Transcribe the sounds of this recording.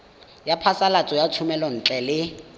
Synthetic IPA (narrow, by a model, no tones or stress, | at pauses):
japʰasalat͡sʼɔjat͡sʰumɛlɔn̩t͡ɬʼɛlɪ